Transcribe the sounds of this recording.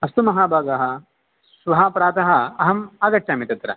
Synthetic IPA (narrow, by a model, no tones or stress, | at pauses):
ɐst̪umɐɦaːbʱaːɡaɦɐ̆ | sʋɐɦaːpɾaːt̪ɐɦɐ̆ɐɦɐmaːɡɐʈːʃaːmit̪ɐt̪ɾɐ